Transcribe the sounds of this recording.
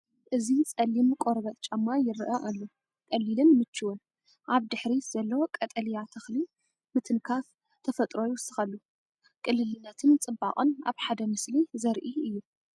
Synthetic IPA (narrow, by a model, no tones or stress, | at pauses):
ʔɨzit͡sʼɐlimkʼoɾβɐt̪ʼt͡ʃʼɐmːajɪɾʔɐʔalːo | kʼɐlːilɨnmɨt͡ʃːɨwɨn | ʔaβd̪ɨħɾiz̥ɐlːɐwokʼɐt̪ʼɐlijat̪ʰɐxli | mɨt̪ʰɨnkʰaf | t̪ʰɐfɐt̪ʼɾo̞jiwʊsɨxalːu | kʼɨlːɨlɨnːɐt̪ʰɨnt͡sʼɨbːa̰χʼɨnʔa̰βħad̪ɐmɨslizɐɾʔiɨjːu